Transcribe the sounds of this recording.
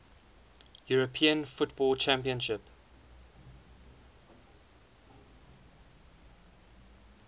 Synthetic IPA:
juɹəpʰiə̃nfʊtbɔlt͡ʃʰæ̃mpiə̃nʃɪp

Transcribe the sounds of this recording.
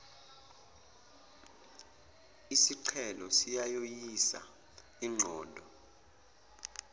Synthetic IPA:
isiǀʰɛlɔsijajojisa̰ | iŋ͡ǀʱɔːndʱɔ

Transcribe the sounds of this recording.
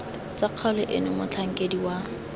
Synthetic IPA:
t͡saq͡χʰɔlʊʔɪnɪmʊt͡ɬʰaŋ̩kʼediwa

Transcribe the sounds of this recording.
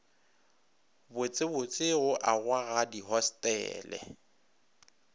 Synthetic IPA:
bʊt͡sʼɪbʊt͡sʼɪɣʊʔaɣwaɣadiɦɔstʼɛ̰ːlɛ̰

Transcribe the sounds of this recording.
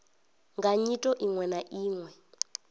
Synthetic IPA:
ŋɡaɲitʼɔʔiŋwɛnaʔiːŋwɛ

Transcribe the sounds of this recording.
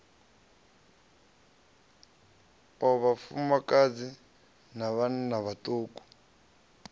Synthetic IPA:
ɔβafumakad͡zi | naβannaβatʼoːkʼu̥

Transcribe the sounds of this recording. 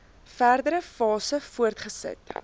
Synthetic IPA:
færdəɾəfɑːsəfuərtχəsə̰t

